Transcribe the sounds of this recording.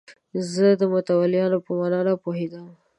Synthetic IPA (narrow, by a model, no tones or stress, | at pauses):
zəd̪əmʊt̪awalɪjɑnopəmanɑnapoɦed̪əm